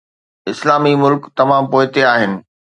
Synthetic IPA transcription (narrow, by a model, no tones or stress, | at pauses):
ɪslaːmimʊlkt̪ɐmaːmpoːɪt̪eaːɦɪnɪ̆